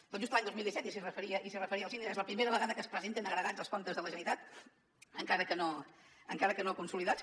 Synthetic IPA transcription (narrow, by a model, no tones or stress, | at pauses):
oʒust̪laɲd̪ozmilˠd̪isɛt̪is̬irəfəɾiəʔisirəfəɾiəːlˠzind̪iezləpɾimeɾəβəɣaðəkəspɾəzent̪enəɣɾəɣad͡zəlˠskɔnt̪əzðələʒənit̪at̪ | əŋkaɾəkənoəŋkaɾəkənokunsuliðat͡s